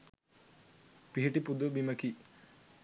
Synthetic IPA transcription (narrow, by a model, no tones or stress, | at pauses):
piɦiʈipud̪ubimɐki